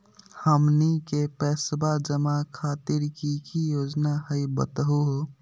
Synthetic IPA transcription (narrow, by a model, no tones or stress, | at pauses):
həmnikepɛsbad͡ʒəmakʰaːt̪iɾkikijoːd͡ʒnaɦəjbə̰t̪əɦuɦo